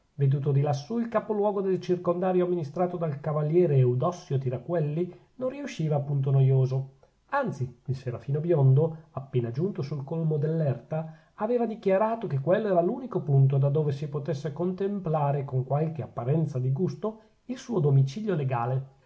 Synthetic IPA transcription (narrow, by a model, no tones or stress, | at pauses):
ved̪uːt̪̬od̪ilasːuilkapolwɔːɡod̪elt͡ʃirkond̪aːɾjoamːinist̪ɾaːt̪od̪alkavaljɛːɾeːud̪ɔsːjot̪iɾakwɛlːi | nõnriuʃːiːvaːpːunt̪̬onojoːzo | ant̪siilseɾafiːnobjond̪oapːeːnad͡ʒunt̪osulkolmod̪elːɛrt̪aː | veːvad̪ikjaɾaːt̪okekːwelːoɛːɾaluːnikopunt̪̬od̪ad̪ːoːvesipot̪esːekont̪emplaːɾekoŋkwalk̟eapːaɾɛnt̪sad̪iɡust̪o | ilsuːod̪omit͡ʃiʎjoleɡaːle